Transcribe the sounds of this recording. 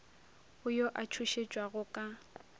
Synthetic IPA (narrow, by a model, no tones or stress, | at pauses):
ʊjoʔat͡ʃʰuʃet͡ʃʼwaɣʊkʼa